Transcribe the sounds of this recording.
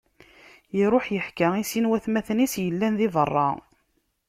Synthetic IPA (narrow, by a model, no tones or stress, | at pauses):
iɾˤoħjəħkaisinwæθmæθnisjəlːænðivərˤːɑ̰